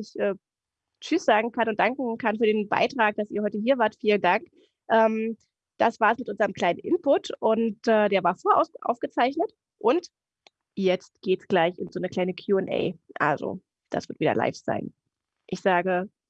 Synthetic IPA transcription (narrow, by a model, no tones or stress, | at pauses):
ɪçʔɛː | t͡ʃʏsz̥aːɡŋ̩kʰanʊnt̚d̥aŋkŋ̩kʰanfyːɐɾeːnba̰ɪtʁ̥aːk̚d̥asiːɐhɔʏtəɦiːɐvaːɐtfiːləndaŋk | ʔɛːm | d̥asv̥aːɐsmɪtʔʊnzəʁəmkl̥aɪnənʔɪnpʰʊtʰʔʊntʔɛːdeːɐvaːɐfoːɐʔa̰ʊsʔa̰ʊfɡ̥ət͡saɪçnət | ʔʊnt | jɛt͡stɡ̥eːtsɡ̥laɪçɪnzoːnəkl̥aɪnəkʰjuːɛnʔɛ̰ɪʔa̰lzo̰ | d̥a̰sv̥ɪɐtv̥iːdɐ̰lʔa̰ɪfz̥a̰ɪn | ʔɪçz̥aːɡə